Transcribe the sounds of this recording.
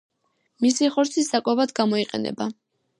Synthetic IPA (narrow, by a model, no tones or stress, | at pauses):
misiχɔɾt̪sʰisdakʼwɔbad̪ɡamɔiqʼɛ̰nɛ̰ba